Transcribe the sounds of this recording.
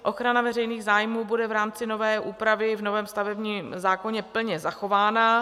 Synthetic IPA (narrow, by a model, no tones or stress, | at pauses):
ʔo̞xɾanavɛrɛjniːɣzaːjmuːbudɛvɾaːmt͡sɪno̞vɛːʔuːpɾavɪvno̞vɛːmst̪avɛbɲiːmzaːko̞ɲɛpl̩ɲɛzaxo̞vaːna